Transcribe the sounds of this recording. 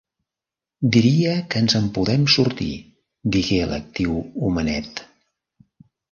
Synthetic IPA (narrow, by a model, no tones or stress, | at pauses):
d̪iɾiəkəːnzəmpuðɛmsuɾt̪ḭ | d̪iɣeələ̰k̚t̪iwumənɛ̰t̪